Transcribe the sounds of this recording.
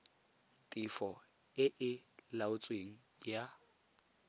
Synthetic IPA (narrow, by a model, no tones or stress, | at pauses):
tʼifɔ | ɪʔɪlaʊt͡sʼweŋ̩ | ja